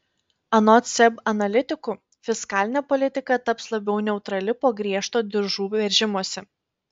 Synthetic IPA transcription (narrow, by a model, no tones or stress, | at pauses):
ɐnɔt̪sʲɛbɐnɐlʲɪt̪ʲɪkʊ | fʲɪskɑːlʲɪnʲeːpɔlʲɪt̪ʲɪkɐt̪ɐpslˠɐbʲɛʊnʲɛʊt̪ɾɐlʲɪpoːɡɾʲiɛʃt̪oːd̪ʲɪɾʒuːʋʲɛɾʲʒʲɪmuɔsʲɛ